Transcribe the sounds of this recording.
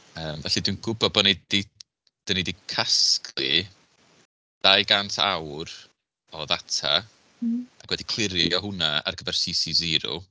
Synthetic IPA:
əːmvɛɬidwinɡʊbɔbɔnidi | d̥ɔnidikʰaskʰlˠɪ | d̥ajɡantʰa̰wr | ɔðatʰa̰ | akwɛdikʰl̥ˠɪɾjɔɦʊnaa̰rɡəvɛrsisizɪɾʊ̰

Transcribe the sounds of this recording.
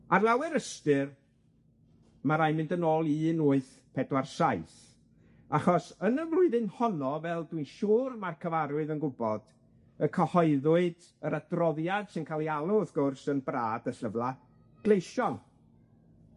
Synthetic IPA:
arlˠawɛɾəstɨr | maɾajmɪ̃ndənoːlˠiːnʊːɨθ | pʰɛdwarsaɨθ | aχɔsənəvlˠʊɨðɨnhɔnɔvɛlˠdwinʃuːrmarkʰəvaɾʊɨðənɡʊbɔd̥ | əkʰəhɔɨðʊɨd̥ | əɾadrɔðjad̥sɪnkʰalˠialˠʊðɡ̥ʊrsənbraːdəɬəvlˠa | ɡ̥lˠejʃɔn

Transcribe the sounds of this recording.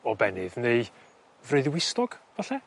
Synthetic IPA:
ɔbɛnɨðneɨ | vrɨɨðwɪstɔɡ̥vaɬɛ

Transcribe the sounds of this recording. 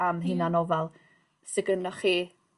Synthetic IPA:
amɦɨnanɔvɛlˠ | sɪɡənɔχiː

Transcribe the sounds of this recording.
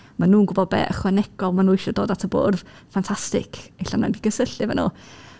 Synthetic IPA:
manuːnɡʊbɔd̚bɛ̰ʔəχwɛnɛɡɔlˠmanuːɪʃɔdoːdatʰəbo̰ːrð | fantʰastɪ̰kʰeɬanɔndiɡəsəɬɨvɛnṵː

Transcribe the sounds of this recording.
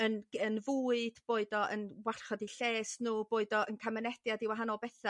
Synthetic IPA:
ənənvuːɨd̥b̥oːɨdɔʔə̰nwar̥χɔdiɬeːsnuːboːɨdɔʔənkʰamənɛd̥jadɪwaɦanɔlˠbɛθa

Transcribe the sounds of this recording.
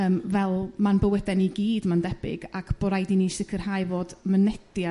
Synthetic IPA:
əːmvɛlˠmanbəwɛdɛniɡiːdmandɛb̥ɪ̰ɡakʰb̥ɔɾajdiniʃɪkʰər̥haːjvoːdmənɛd̥ja

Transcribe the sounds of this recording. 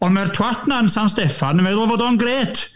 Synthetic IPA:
ɔnmartʰwatʰnaənsanstɛfanəvɛðʊlˠvoːdɔnɡreːtʰ

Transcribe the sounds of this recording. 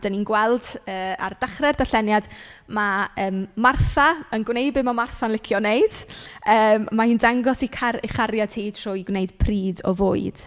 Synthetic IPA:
d̥aninɡwɛlˠdəːa̰rd̥aχrɛrdaɬɛnjadmaəːmːarθaənɡwneɨbɪmamarθanlɪkʰjɔnejd̥əːmmahiːndaŋɡɔsikʰaiχaɾjatʰiːd̥roːiɡwnejd̥pʰriːdɔ̰voːɨd̥

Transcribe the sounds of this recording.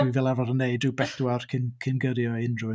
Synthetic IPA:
ivɛlˠavɔɾənːeɨdɨwbɛθwarkʰɪnkʰɪnɡəɾjɔɪnrʊɨ

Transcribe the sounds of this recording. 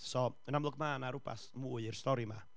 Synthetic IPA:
sɔənamlˠʊɡmaːnaɾuba̰smuːɨirstɔɾima̰

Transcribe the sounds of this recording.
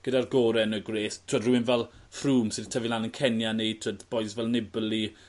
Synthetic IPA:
ɡ̥ədarɡɔːɾɛnəɡreːθtʰoːdruwɪnvɛlˠfruːmsɪdtʰəvilˠanənkʰɛnjanetʰoːdb̥oɨsvɛlˠnɪbəli

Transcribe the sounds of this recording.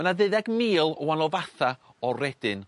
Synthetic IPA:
ənaðɨðɛɡmiːlˠwanɔvaθa | ɔrɛd̥ɨn

